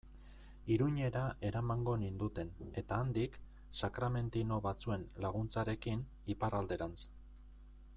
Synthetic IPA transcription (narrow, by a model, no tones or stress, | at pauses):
iɾuɲe̞ɾaʔe̞ɾamaŋɡo̞nind̪ut̪e̞ne̞t̪aːnd̪ik | sakɾame̞nt̪ino̞βat͡sue̞nlaɣ̞unt͡saɾe̞kin | iparald̪e̞ɾans